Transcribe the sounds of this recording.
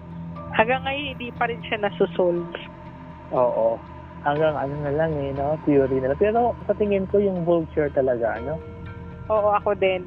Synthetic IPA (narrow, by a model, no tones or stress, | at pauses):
hɐɡɐŋːɐjonhɪnd̪iːpɐɾɪnʃanɐsʊsols | ʔoːʔo | hɐŋɡaŋʔɐnonɐlaŋɛnot̪juɾinɐlaŋpɛːɾo̞sɐt̪ɪŋɪnko̞jʊŋbolt͡ʃʊɹt̪ɐlɐɡaʔɐno̞ | ʔoːʔo̞ʔɐko̞d̪ɛn